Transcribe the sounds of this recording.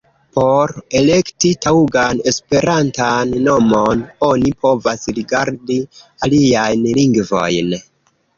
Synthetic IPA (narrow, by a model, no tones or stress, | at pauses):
po̞ɾe̞le̞ktitauɡane̞spe̞ɾʔantanːo̞mo̞no̞nipʰo̞vasɾiɡaɾdialiajnliŋɡvo̞̰jn